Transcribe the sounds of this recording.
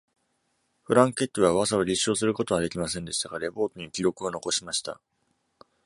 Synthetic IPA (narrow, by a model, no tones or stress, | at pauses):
ɸɯ̟ɾãŋke̞t̪ːoβaβazaβaɾʲiɕːo̞ːsɨɾɯ̟ko̞t̪o̞βad̪e̞kʲimasẽ̞nd̪e̞ɕi̥t̪aɡaɾe̞bo̞ːt̪o̞ɲikʲiɾo̞kɯ̟o̞no̞ko̞ɕimaɕi̥t̪a̰